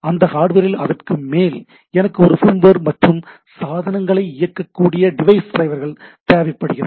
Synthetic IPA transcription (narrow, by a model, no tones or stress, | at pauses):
ɐnd̪ɐhaːɽɯʋɐɾɪlɐðɐrkɯmeːl | ɛnɐkːɯɔɾɯfʊɾmbɐɾmɐʈrɯm | saːðɐnɐŋɡɐɭɐɪɪjɐkːɐkːuːɽɪjɐɖɪʋɐɪsd̪ɾɐɪʋɐɾɣɐɭt̪eːʋɪpːɐɽɯɣɪrɐ